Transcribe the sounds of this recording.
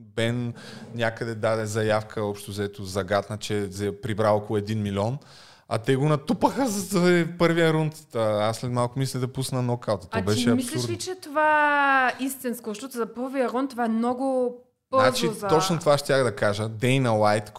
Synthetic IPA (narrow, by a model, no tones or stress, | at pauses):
bɛnnʲakəd̪ɛd̪ad̪ɛzɐjafkʰəɔpʃt̪ʊzɐɛt̪ʊzɐɡat̪nət͡ʃɛzɐɛpɾibɾaɔkolˠʊɛd̪inmilʲiɔn | ɐ̰t̪ɛɡonɐt̪upəxəzɐspɤɾvijəɾunt̪əaslɛt̪malˠkʊmis̬lʲid̪ɐpusnɐnɔkalt̪ɐt̪ɔbɛʃɛɐmislɛuɾd̪it͡ʃɛt̪ova | ist̪inskʊzɐʃt̪ɔt̪ʊzɐpəɾvijəɾɔnt̪ːovaɛmnɔɡʊ | b̥ənazt͡ʃizɐt̪ɔt͡ʃnot̪ovaʃt̪ʲjaxd̪ɐkaʒəd̪ɛjnɐlˠajt̪